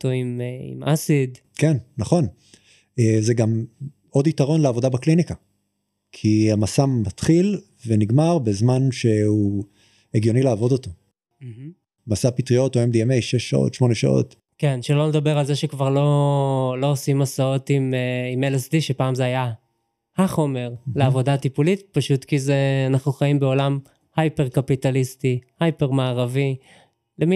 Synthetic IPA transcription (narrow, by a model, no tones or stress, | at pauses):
toimḭmʔasidkenːaχo̞n | ezeɡam | o̞ditaʁo̞nleavodabaklinika | kʰiamasamatχil | veniɡmaʁbezmanʃe̞u | eɡjo̞nileaːvo̞doto̞ | m̩h̩ | masapitʁio̞toemd̪iemejʃeʃːao̰tʃmo̞neʃa̰ʔo̞̰t | kenʃeloned̪abe̞ʁalzeʃekvaʁlo̞lo̞osimasao̞t̪imimelesdiʃe̞paːmzeaja | haχo̞me̞ʁleavo̞datipulitpaʃut̪kizeanaχnuχaimbe̞o̞lam | hajpe̞ʁkapitalistihajpeʁmaːʁavi | lemi